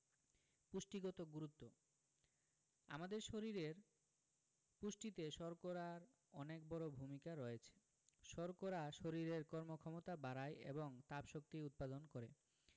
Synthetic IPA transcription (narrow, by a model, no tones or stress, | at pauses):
puʃʈiɡɔt̪oɡuɾut̪ːo | a̰mad̪eɾʃoɾiɾeɾ | puʃʈit̪eʃɔɾkoɾaɾ | ɔnek̚bɔɾobʱumikaɾɔet͡ɕʰe̥ | ʃɔɾkoɾaʃoɾiɾeɾkɔɾmokʰɔmot̪abaɾajʔḛboŋt̪apʃok̚t̪iut̪̚pad̪onkoɾḛ